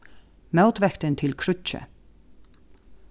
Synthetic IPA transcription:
mœʊt̪ʋɛkt̪ənt̪ʰɪlkʰɾʉt͡ʃə̰

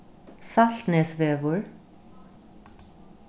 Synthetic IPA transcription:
sal̥t̪nɛːsvɛːvʊɹ

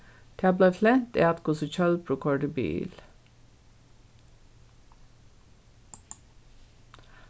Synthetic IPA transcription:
d̪̥ʰeːɑːbleːflɛnt̪ḛːɑt̪kʊsəc͡çœlpʰɾʊkʰɔɖəby̰ːl

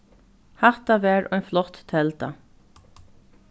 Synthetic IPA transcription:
hat̪aʋɛːɹʔɔjnflɔt̪t̪ʰɛlt̪a̰

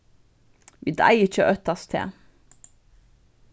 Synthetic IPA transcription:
ʋḭːd̪æ̰ɪɪc͡çəʔœt̪ɑst̪ʰḛː

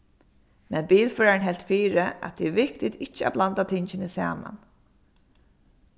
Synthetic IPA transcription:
mɛnbiːlfœːɹanɦɛlt̪fiːɹɪa̰t̪t̪ʰiːʋɪk̚t̪ɪt̪ɪt͡ʃːɪa̰blant̪at̪ʰɪɲt͡ʃɪnɪsa̰ːma̰n

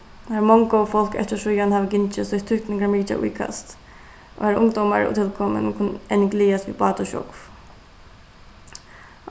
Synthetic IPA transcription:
amɔŋkɔwfɔl̥kɛ̰ht̪ɪʂʊjanhaːvɪɡɪnt͡ʃɪsʊht̪ʰːʊhkt̪nɪŋkaɾmiːt͡ʃa̰ʔṵjkʰa̰st̪ | ʔɔ̰ɛɾʔʊŋd̪ɔwmaɾʊ̰t̪ʰɪlkʰɔmə̰nkʰʊnɛnɪɡliːast̪vḭbɑːt̪ɔʃɔ̰kf

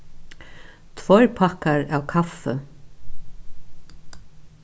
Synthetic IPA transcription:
t̪ʰvɔjɾpʰahkaɹawkʰafːɛ

